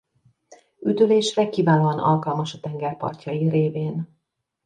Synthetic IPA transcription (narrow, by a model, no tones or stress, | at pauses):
yd̪øleːʃrɛkiːvaːnoɒnʔɒ̰lkɒlmɒʃɒt̪ɛŋɡɛrpɒ̰rcɒjireːveːn